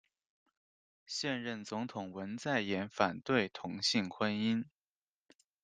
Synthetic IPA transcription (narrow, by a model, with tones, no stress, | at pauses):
ɕjɛ˥˧nɻə˥˩nt͡sʊ˧˥ŋt̪ʰʊ˨˩ŋwə˧˥nt͡sa˥˩ɪjɛ˧˥nfa˨˩nt̪we˥˩ɪt̪ʰʊ˧˥ŋɕi˥˩ŋkʰwə˥ni˥n